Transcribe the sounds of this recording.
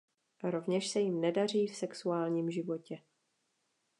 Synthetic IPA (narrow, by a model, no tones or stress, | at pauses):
ɾo̞vɲɛʃsɛjɪmnɛdar̝iːfsɛksuaːlɲiːmʒɪvo̞cɛ